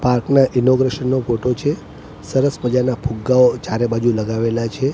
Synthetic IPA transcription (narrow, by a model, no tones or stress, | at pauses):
paɾknaʔinoɡɾeʃənːofoʈot͡ʃʰe | səɾəspəd͡ʒanapʰuɡːaot͡ʃaɾebad͡ʒuləɡaʋelat͡ʃʰe